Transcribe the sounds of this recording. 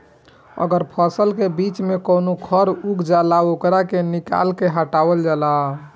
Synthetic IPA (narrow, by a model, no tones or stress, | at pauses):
ə̰ɡəɾpʰəsəlkebit͡ʃmekonokʰəɾuɡd͡ʒalaokɾakenika̰lkeɦəʈabəld͡ʒala